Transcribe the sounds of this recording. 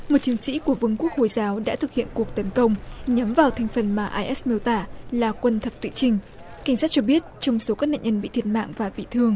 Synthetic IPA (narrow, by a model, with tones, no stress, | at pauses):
mo˨˩t̚t͡ɕi˨˦ənsḭ˧˥ku˧˩əvɨ˨˧əŋku˦˥ək̚ho̰˧˩jzaː˨˦wɗa̰ː˧˥t̪ʰɨ˨˩k̚hḭ˧˨ənku˨˩ək̚t̪ə˨˦nkə˧wŋ͡mɲa˨˦mvaː˨˩wt̪ʰa˨˧jŋ̟fə˨˩nmaː˨˩ʔaː˧jʔɛ˦˥smi˧əwt̪aː˧˩laː˨˩kwə˧nt̪ʰə˨˩p̚t̪wḭ˧˨t͡ɕï˧˩ŋ̟ | ka˧˩ŋ̟sa˦˥t̚t͡ɕɔ˧ɓi˦˥ət̚t͡ɕɔ˧wŋ͡mso˨˦kaː˦˥k̚na̰ː˧˨ɲə˧nɓḭ˧˨t̪ʰi˧˩t̚ma̰ː˧˨ŋvaː˨˩ɓḭ˧˨t̪ʰɨ˧əŋ